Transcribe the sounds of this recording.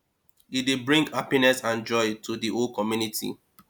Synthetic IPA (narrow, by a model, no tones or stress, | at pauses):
idebɹĩŋɡhapinɛsãnd͡ʒɔɪtʰudiʔolkʰɔmjunitʰḭ